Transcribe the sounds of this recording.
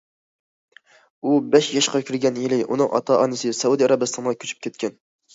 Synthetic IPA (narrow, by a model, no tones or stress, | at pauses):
ubɛʃjɑʃqʰɑkʲʰyɾɡʲɛnjilɪʔunɨŋʔɑ̰t̪ʰɑʔɑnɨsɨsɛud̪iɑɾɑbɨst̪ʰɑnʁɑkʲʰy̥t͡ʃʰy̥p̚kʲʰɛt̪̚kʲɛn